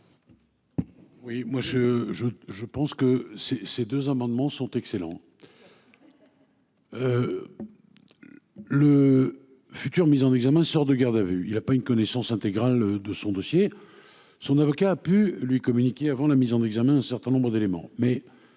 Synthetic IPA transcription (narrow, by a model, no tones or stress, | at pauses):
wimwaʒəʒəʒəpɑ̃skəsesed̪øzamɑ̃d̪mɑ̃sɔ̃t̪ɛkselɑ̰̃ | ø | lə | fyt̪yʁmizɑ̃nɛɡzamɛ̃sɔʁd̪əɡaʁd̪avyilapaynkɔnɛsɑ̃sɛ̃t̪eɡʁald̪əsɔ̃d̪ɔsje | sɔ̃navɔkaːpylɥikɔmynikʲeavɑ̃lamizɑ̃nɛɡzamɛ̃ɛ̃sɛʁt̪ɛ̃nɔ̃bʁəd̪elemɑ̰̃mɛ